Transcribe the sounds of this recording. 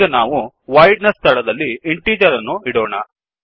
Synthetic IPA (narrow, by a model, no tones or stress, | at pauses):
ɐnaːʋu | ʋɐjɖnɐsːt̪ʰɐɭɐd̪ɐlːieɳʈiːd͡ʒɐɾɐnːuiɽoːɳɐ̰